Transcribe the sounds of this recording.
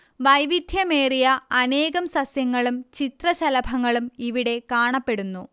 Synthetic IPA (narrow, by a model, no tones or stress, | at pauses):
ʋɐjʋid̪ʱjɐme̞ːrijɐɐne̞ːɣɐmsɐsjɐŋːɐɭumt͡ɕit̪rɐɕɐlɐbʱɐŋːɐɭumiʋiɽe̞kaːɳɐpːe̞ɽunːu